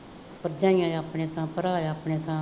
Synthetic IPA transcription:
pəɾd̪jãːɪjãːjaːpɳẽːt̪ʰãːpəɾaːjaːpɳeːt̪ʰãː

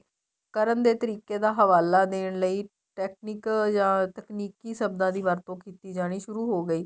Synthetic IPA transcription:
kəɾənd̪eːt̪əɾiːkeːd̪aːɦəʋaːlaːd̪eːɳləiː | ʈɛːk̚niːkd͡ʒãːt̪əkniːkiːsəbd̪ãːd̪iːʋəɾt̪õːkiːt̪iːd͡ʒaːɽ̃iːʃʊɾuːɦoːɡəiː

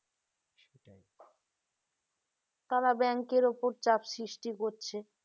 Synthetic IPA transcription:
ʃeʈaj | t̪aɾabɛŋkeɾopoɾt͡ɕapsɾiʃʈikoɾt͡ɕʰe

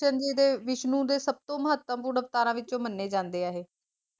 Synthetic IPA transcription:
ənd͡ʒeːd̪eːʋɪʃnũːd̪eːsəb̚t̪õːməɦət̪ːəmpʊːɳəpt̪aːɾãːʋɪt͡ʃõːmənːeːd͡ʒãːnd̪eːaːɦeː

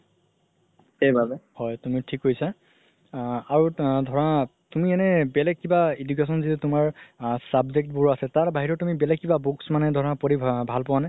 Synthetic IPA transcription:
xejbʱabɛhɔjtumitʰikɦojsa | aɹudʱɔɹatumiɛnɛbɛlɛɡ̚kibaidukes̬ɔnzitutʊmaɹsabzek̚t̚buɹasɛtaɹbaɦiɹɔtumibɛlɛɡ̚kibabuksmanɛdʱɔɹɔapoɹibʱalpɔwanaj

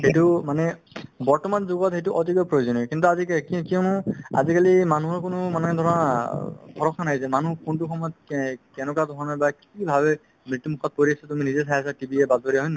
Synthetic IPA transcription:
ɦejtumanɛ | bɔɹtɔmanzoɡɔtɦejtuʔɔtikɔjpɹojozɔnikint̪̬uazikkkiɔ̃mũa̰zikalimanuɦɔɹkʊnʊmanɛd̪ʱɔɹɔnatʰɔɹɔkʰanajsɛmanukuntuxʰɔmɔjɔt̪̚kɛnɔkad̪ʱɔɹɔnabakibʱabɛ | mɹit̪ːumukʰɔt̚poɹiasɛtuminizɛsʰajasatibiɛbazbɔɾiaɦɔjna

